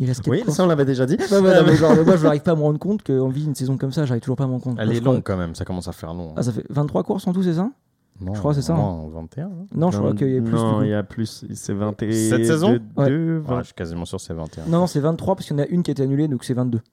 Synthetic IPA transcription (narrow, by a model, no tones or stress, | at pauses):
ilɛskɛwisaɔ̃lavɛd̪eʒad̪ibavwanɔ̃mɛaɛmwaʒəaʁivpaːməʁɑ̃d̪ʁəkɔ̃t̪kəɑ̃viynsezɔ̃kɔmsaʒaʁiv̥t̪uʒuʁpaːməʁɑ̃kɔ̃t̪ɛlɛlɔ̃ɡkɑ̃mɛmsakɔmɑ̃safɛ̰ʁlɔ̃a̰s̬afɛ̰vɛ̃t̪t̪ːχwakuʁsɑ̃t̪us̬ɛs̬a | ñʒəkχwas̬ɛsavɛ̰̃t̪eɛ̃nɔ̃əkwa̰kəilaɛpnsɔ̃iljaplyssɛvɛ̃t̪sɛsɛzɔ̃wdɛøvɛ̃ʃi̥kazimɑ̰̃syʁsɛvɛ̰̃t̪ẽnɔ̃nɔ̃sɛvɛ̃t̪t̪ːχwapaskəjɑnaʔynkʲiɛet̪ɛanyled̪ɔ̃ksɛvɛ̃t̪d̪ø